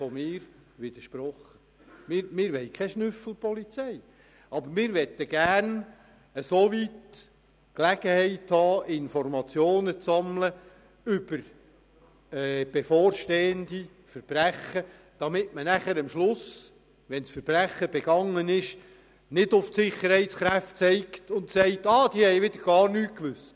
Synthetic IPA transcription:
fɔmɪːɾʋɪd̪əɾʃpɾɔχːə | mɪɾmɪːɾʋɛɪkʰɛʃnʉfl̩ˠpɔlit͡sɛj | ɑbəɾmɪːɾʋɛt̪ːəɡ̥ærn | əsoʋit | klæɡ̥əhɛɪthɑːɪnfɔrmɑt͡sjoːnət͡sːɑmlə | ʉb̥əɾ | ɛːb̥efoːrʃteːənd̪i | fəɾb̥ɾæχə | d̥ɑmɪtmənæχəɾəmʃlʊs | ʋɛnsfəɾb̥ɾæχːəb̥ɛɡɑŋːənɪʃ | nɪdʊftsɪχəɾhɛɪt̪sχɾæft̚t͡sɛɪktʊntsɛɪt̪ɑːd̪iːhɛjʋɪd̪əɾɡ̥ɑːrnyːtkʋʏs

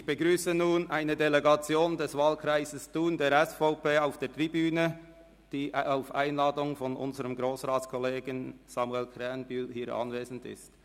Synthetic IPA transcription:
ɪçb̥əɡɾyːsənuːnʔaɪnədeleɡɑt͡sjoːndɛsvaːlkʰɾaɪzəstuːndeːɾɛsfaʊpeːaʊfd̥eːtʁibyːnə | d̥iːʔaʊfʔa̰ɪnlaːdʊŋfɔnʔʊ̰nzəɾəmɡɾoːsʁaːtt͡skʰɔleːɡənsamuɛlkʰʁɛnbyːlhiːɾʔɑ̰nveːzn̩dɪ̰st

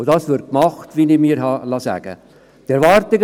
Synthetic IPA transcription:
ʊdɑːsʋɪɾ̚kmɑχtʋinɪmiːɾɦɑlɑsæ̰ːɡ̥ə̰ | tɛɾvɑɾtɪɡ

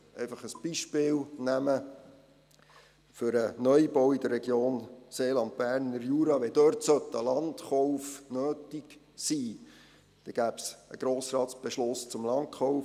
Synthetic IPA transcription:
ɛ̰ɪfɑχəsb̥iʃpɪːlnæmə | fʏɾənœjbɔwid̥̪ərːɛɡjoːnseːlɑnt̚b̥æːɾnəɾjuːɾɑʋɛd̪øɾtsœtːəlɑntχɔʊfnøːtik | siː | d̪̥ɛɡ̥æːpsəɡ̥ɾoːsɾɑːtt͡sb̥ɛʃlʊst͡sʊmlɑnt̚χɔʊf

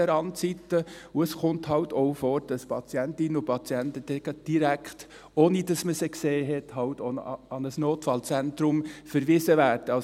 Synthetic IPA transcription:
ɛɾɑntt͡sitːəʊəsχʊnthɑʊtɔʊfoːɾd̥ɑspʰɑt͡sjæntɪnəʊpʰɑt͡sjɛntəd̥ɛɡəd̥iɾækχt | oːnid̥ɑsməsekseːɦɛthɑltoɑnəsnoːtfɑlt͡sæntɾʊmfəɾʋɪːsəvæːɾd̥əɑ

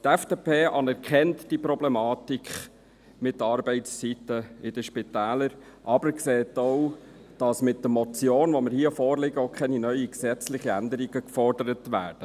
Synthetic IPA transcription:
tɛfd̥eːpʰeːʔɑnɛɾkχɛntd̥ipɾɔblɛmɑːtikχ | mɪtːɑːɾbɛɪtst͡sitəɪd̥əʃpɪtæːləɾ | ʔɑbəɾkseːtow | d̥ɑsmɪtdəmɔt͡sjoːnʋomɪɾhiəfɔːɾlɪɡəɔʊkʰχɛninœʏiksɛt͡slɪχiænd̪əɾiɡ̥əkfɔrdəɾətʋæ̰ːd̥ə

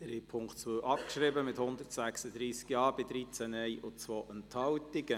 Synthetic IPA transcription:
ɾipʰʊŋktt͡sʋəwʔɑpkʃɾɪbəmɪthʊnd̪əɾtsæksəd̪ɾiːskjɑːb̥ɪd̪ɾit͡sænɛɪʔʊt͡sʋoːʔənthɑltɪɡ̥ə

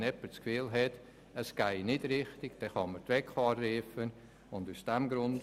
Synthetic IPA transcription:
nɛpət͡skfiːlɦɛt | əsɡ̥aɪnɪdɾɪχtɪɡ̥d̥ɛχɑmətʋɛkfɑːɾːiːfən | ʊndusd̥ɛmɡɾʊnd

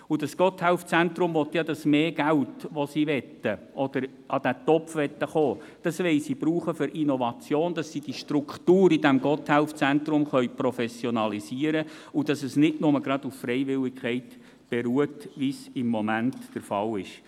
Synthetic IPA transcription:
ud̥ɑsɡ̥ɔthɛlft͡sænt̪ɾʊmʋɔt̪jɑdɑsmeːɡ̥æltʋosiʋɛt̪ːəʔɔd̥̪əɾ | ʔɑd̥æt̪ɔpfʋɛt̪ːəχoː | d̥ɑsʋɛɪsibɾuːχəfʏɾʔinɔʋɑt͡sjoːnd̥ɑsːid̥iʃtrʊktuːɾidæmɡ̥ɔthælft͡sænt̪ɾʊmχœʏprɔfɛsjɔnɑlisiːəɾəʊd̥ɑsəsnɪtnʊməɡɾɑd̪uffɾɛɪʋɪlɪkχɛɪt | b̥eɾuːətʋisɪmːɔmæntːəɾfɑlɪʃ

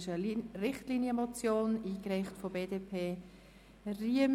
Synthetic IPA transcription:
ʃərɪχtliːnjəmot͡sjoːniːkɾaɪχtfobeːdeːpʰeː | riəm

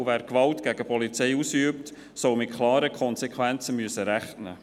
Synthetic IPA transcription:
væːɾkʋɑltɡ̥æɡəpɔlit͡sɛɪusyəpt | sɔwmɪtkʰlɑːɾəkʰɔnsɛkʰʋænt͡səmyəsəɾæχnə̰

